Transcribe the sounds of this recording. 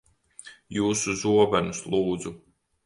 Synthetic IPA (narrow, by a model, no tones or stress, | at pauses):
juːsuzuɔbanuslˠuːd̪zu